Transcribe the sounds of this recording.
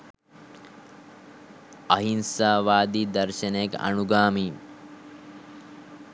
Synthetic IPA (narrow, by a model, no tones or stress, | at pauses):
ɐɦinsaːʋaːd̪iːd̪ɐɾʃɐnekɐ̰nuɡaːmiː